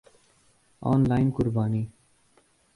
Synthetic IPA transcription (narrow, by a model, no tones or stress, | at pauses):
a̰ːnlaːɪnkʊɾbaːniː